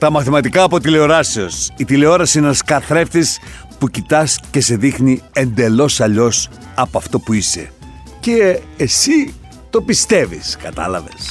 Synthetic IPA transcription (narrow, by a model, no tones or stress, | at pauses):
t̪ɐmɐθimɐt̪ikɐːpo̞t̪̬ile̞o̞ɾɐseo̞sit̪ile̞o̞ɾɐsiinenɐskɐθɾe̞ft̪is | pucit̪ɐsce̞se̞ðixnie̞nd̪e̞lo̞sɐʎo̞s | ɐpoɐft̪o̞puise̞̰ | ceːsi | t̪o̞pist̪e̞vḭskɐt̪ɐ̰lɐ̰ve̞s